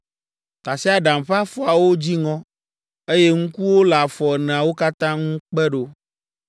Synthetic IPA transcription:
t̪a˨si˦a˨ɖã˨m˨ɸa˦fɔ˦a˨wo˦d͡ʑi˦ŋɔ̃˦ | e˦je˦ŋũ˦ku˦wo˦la˨fɔ˨ɛ˨nɛ̃˨a˨wo˦ka˦t̪ã˦ŋũ˦k͡pɛ˦ɖo˦

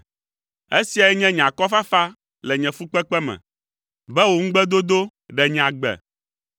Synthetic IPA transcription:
e˦si˨a˨ɛ˦ɲɛ̃˦ɲ˨ã˨kɔ˦fa˦fa˦ | lɛ˨ɲɛ̃˨fu˦k͡pɛ˦k͡pɛ˦mɛ̰̃˨ | bɛ˦wo˨ŋ̩̃˦ɡ͡bɛ˦d̪o˦d̪o˦ | ɖɛ˨ɲ̃˨ã˨ɡ͡bɛ̰˨

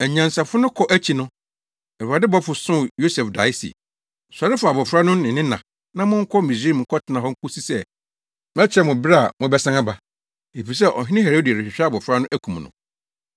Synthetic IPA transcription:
æ˨ɲã˨nsa˨fʊ˦nʊ̃˦kʰɔ˨ʔæ˦t͡ɕʰi˨nʊ̃˦ | ɛ˨a˨dɪ˦bɔ˦fʊ˨sʊ̃˦˨jo˦sɛ˨fda˨˦ɪ˦sḭ˨ | sʊ˨a˨ɾɪ˦fʊ˨a˨bɔ˨fɾa˦nʊ̃˦nɪ̃˨nɪ̃˦nã˨ | nã˦mʊ̃˦ŋ̩˦kʰɔ˦mi˨sɾe˦i˨ŋ̩˨˦kʰɔ˦tʰɪ˨˦nã˨ɦɔ˦ŋ̩˦ku˦si˦sɛ˦ | m˦ɛ˦t͡ɕʰɛ˦mʊ̃˨bɪ˦ɾa˦˨mʊ̃˦bɛ˦sã˦ŋa˦ba˨ | e˨fi˨s̬ɛ˦˨ʔɔ˨ɦɪ̃˦nɪ̃˦ɦe˨ɾo˦di˨æ˨ɾɪ˨ɕᶣɪ˨ɕᶣɛ˦a˨bɔ˨fɾa˦nʊ̃˦ʔæ˦kʰũ˨m˨nʊ̰̃˨

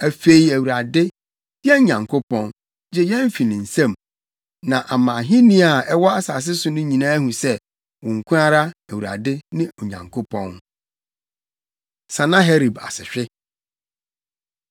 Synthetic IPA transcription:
æ˨fe˦i˨˦æ˨wu˨ɾa˨dɪ˦ | jɛ˦ɲã˨ŋkʰo˦pɔ̃˦n | d͡ʑɛ˦jɛ̃˦ɱ˦fi˨nɪ̃˨n̩˨sã˦˨m | nã˨ʔa˨mã˨ɦĩ˦nĩ˦a˨ɛ˦wɔ˦a˦saː˨s̬ɪ˦sʊ˦nʊ̃˦ɲĩ˨nãː˦hũ˨sɛ˦ | wʊ̃˨ŋ̩˨kʰũ˦ɾa˦ɾa˦æ˨wu˨ɾa̰˨dɪ˦nɪ̃˦ɔ˨ɲã̰˨ŋkʰo˦pʰɔ̃˦n | sã˨nã˦ɦɛ˦ɾi˨ba̰˨sɪ̰˨ɕᶣɪ˦

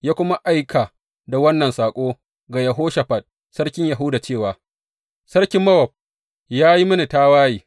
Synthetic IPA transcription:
jaː˦kʷʊ˦ma˦ʔa˦jkʰa˨ | da˨wɐ˦nːɐ˨nsaː˨kʷʼoː˦ | ɡa˨jɐ˨ɦoː˦ʃa˨ɸɐ˨t̚ | sɐ˦ɽkʲɪ˦ɲja˨ɦʊ˦da˨t͡ʃeː˦˨waː˨ | sɐ˦ɽkʲɪ˦mːɐ˦wɐ˨b̚ | jaː˦ji˦mɐ˦ni˨taː˦waː˦jiː˨

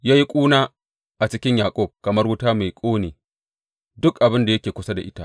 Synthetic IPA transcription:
jaː˦ji˦kʷʼuː˦naː˦ | ʔa˨t͡ʃɪ˦kʲɪ˦ɲjaː˨kʷʼɔ˦˨b̚kɐ˨mɐ˦rwʊ˦taː˦ma˨jkʷʼoː˦neː˨ | dʊ˦kʔa˨bɪ˦nda˨jɐ˦kʲeː˨kʷʊ˦sa˦da̰˨ʔɪ˦ta̰˦ʔ

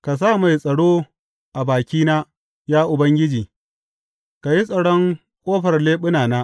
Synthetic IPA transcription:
ka˨s̬aː˦˨ma˨jsʼɐ˨ɽoː˦ | ʔa˨baː˨kʲiː˦naː˦ | jaː˦ʔʊ˨bɐ˦ŋɡʲɪ˦d͡ʒiː˨ | ka˨ji˦sʼɐ˨ɽɔ˦ŋ | kʷʼoː˦ɸɐ˨rleː˦ɓʊ˦naː˨naː˦ʔ

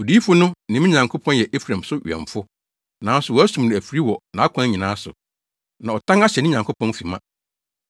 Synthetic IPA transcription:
o˨di˦fʊ˦nʊ̃˦nɪ̃˨mɪ̃˦ɲã˨ŋkʰo˦pʰɔ̃˦n˦jɛ˨ʔe˦fɾã˨msʊ˦ɥ̰ɛ̰̃˨ɱfʊ˦ | nã˨˦sʊ˨wɔ˨˦æ˦sũ˨m˨ñ˨æ˨fi˨ɾi˦wɔ˨nã˨a˦kʷʰã˦ɲĩ˨nãː˦sʊ̰˨ | nã˨ɔ˨tʰã˦ŋa˦ɕɛ˨nɪ̃˦ɲã˨ŋkʰo˦pʰɔ̃˦nfi˨mã˦

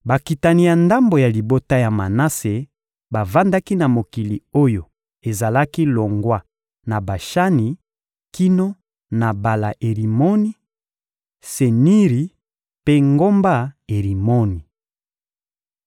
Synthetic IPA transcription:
ba˨ki˨ta˨ni˨ja˨nda˦mbo˨ja˨li˨bo˦ta˦ja˨ma˨na˦se˨ | ba˨va˦nda˦ki˦na˨mo˨ki˨li˨o˦jo˨ | e˨za˨la˦ki˦lo˨ŋɡwa˦ | na˨ba˨ʃa˦ni˨ | ki˦no˦ | na˨ba˨la˨ʔe˨li˨mo˦ni˦ | se˨ni˦ʁi˨ | pe˦ŋɡo˦mba˦e˨ʁi˨mo˦ni˨

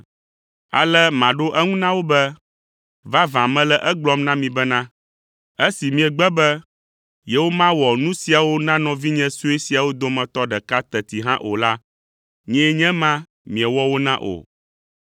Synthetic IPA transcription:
a̰˨lɛ˦mã˨ɖo˦ʔɛ˦ŋũ˦nã˦wo˦bɛ˦ | va˦vã˨mɛ̃˦lɛ˦ʔɛ˦ɡ͡blɔ˦mnã˦mĩ˨bɛ˦nã˦ | ɛ˦si˨mĩ˨ɛ˨ɡ͡bɛ˦bɛ˦ | jɛ˦wo˦mã˦wɔ˨nũ˦si˨a˨wo˦nã˦nɔ̃˨vi˦ɲɛ̃˦su˦e˦si˨a˨wo˦d̪o˦mɛ̃˨t̪ɔ˦ɖɛ˨ka˦t̪ɛ˨t̪i˨ɦã˦ʔo̰˨la˦ | ɲɛ̃˦ɲɛ̃˦mã˦ | mĩ˨ɛ˨wɔ˦wo˦nã˦ʔo̰˨

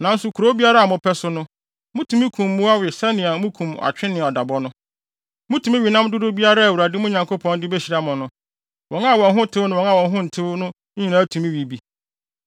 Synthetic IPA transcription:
nã˨n̩˦sʊ˨kʰu˨ɾo˦bi˦a˦ɾa˦a˨mʊ̃˨pʰɛ˦sʊ˦nʊ̃˦ | mʊ̃˦tʰũ˨mĩ˦kʰũ˨mːʊ̃˦a˦wɪ˨sɛ˦nɪ̃˨a˨˦mũ˦kʰũ˨ma̰˨t͡ɕᶣɪ̃˦nɪ̃˨ɔ˨da˨bɔ˦nʊ̃˦ | mʊ̃˦tʰu˨mi˦ɥi˨nã˦mdʊ˦dʊ˦bi˦a˦ɾa˦˨wu˨ɾa˨dɪ˦mʊ̃˦ɲã˨ŋko˦pʰɔ̃˦ndɪ˦bɛ˦ɕi˨ɾa˦mʊ̃˨nʊ̃˨ | wɔ̃˨na˦˨wɔ̃˨nɦʊ̃˦tʰɪ˦wnʊ̃˦wɔ̃˨˦na˦˨ɔ̃˨nɦʊ̃˦n̩˨tʰɪ˦wnʊ̃˦ | ɲĩ˨nã˦tʰũ˨mĩ˦wi˨bi˨

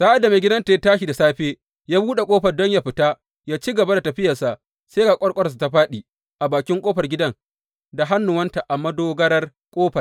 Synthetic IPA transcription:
saː˦ʔa˨dːa˨me˨ɡʲɪ˦dɐ˦nta˨ja˦taː˦ʃi˨da˨saː˦ɸeː˦ | jaː˦buː˦ɗe˨kʼoː˦ɸɐ˨rdɔ˦ɲja˦ɸɪ˨taː˦ | jaː˦t͡ʃi˦ɡɐ˨ba˦da˨tɐ˨ɸɪ˦jɐ˨sa˨ʔ | se˦ɡa˨kʷʼɔ˦ɽkʼɔ˦ɾs̬u˨ta˦ɸaː˦ɗiː˨ | ʔa˨baː˨kʲɪ˦ŋkʷʼoː˦ɸɐ˨rɡʲɪ˦dɐ˦ŋ | da˨ɦa˦nːʊ˨wɐ˦nta˨ʔa˨mɐ˦doː˦ɡɐ˦ɽɐ˦r | kʷʼoː˦ɸɐ˨r

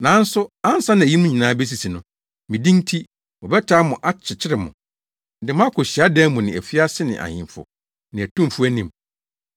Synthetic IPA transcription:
nã˨˦n̩˦sʊ˦a˦n˦sã˦nã˨ji˦mʊ̃˦ɲĩ˨nãː˨˦bɛ˦s̬i˨si˨nʊ̃˨ | mɪ̃˨dĩ˦n˦tʰi˦ | mɔ˨bɛ˦tʰaː˦mʊ̃˨ʔa˦t͡ɕʰɪ˨t͡ɕʰɪ˦ɾɪ˨mʊ̰̃˨ | dɪ˨m˦ã˦kʰʊ˨ɕi˨a˦dɛ̃˦mʊ̃˨nɪ̃˨æ̰˨fi˦a˦sɪ˦nɪ̰̃˨ʔa̰˨hɪ̰̃˨mfʊ̰˨ | nɪ̃˨æ˨tʰũ˦m˨fu˦æ˦nĩ˦˨m

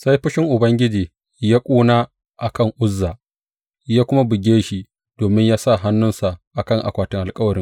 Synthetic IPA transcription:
sa˦jɸɪ˦ʃɪ˦ŋʔʊ˨bɐ˦ŋɡʲɪ˦d͡ʒiː˨ | jaː˦kʷʼuː˦naː˦ | ʔa˨kɐ˦˨ŋʔʊ˦zːaː˨ʔ | jaː˦kʷʊ˦ma˦bɪ˨ɡʲeː˦ʃi˦ | d̥oː˨mɪ˦ɲjaː˦sa˦˨ɦa˦nːʊ˦nsa˨ʔʔa˨kɐ˦˨ŋʔa̰˨kʷaː˨tɪ˦ŋʔa˨kʼɐ˦wɐ˨ɾɪ˦ŋ

